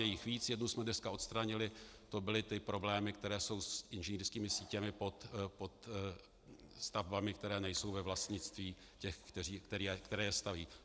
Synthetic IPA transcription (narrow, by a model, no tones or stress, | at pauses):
jɛjɪxviːt͡sjɛdnusmɛdnɛskaʔo̞t̪st̪ɾaɲɪlɪt̪o̞bɪlɪt̪ɪpɾo̞blɛːmɪkt̪ɛɾɛːso̞wsʔɪnʒɛniːrskiːmɪsiːcɛmɪpo̞t̪po̞t̪ | st̪avbamɪk̚t̪ɛɾɛːnɛjso̞wvɛvlast̪ɲɪt͡st̪viː | cɛxt̪ɛiːkt̪ɛɾiːkt̪ɛɾɛːjɛst̪aviː